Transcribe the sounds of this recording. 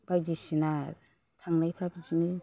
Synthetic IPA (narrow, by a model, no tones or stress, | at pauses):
b̥ajd͡ʒisina | t̪ʰaŋnajpʰɾabid͡ʒinɯ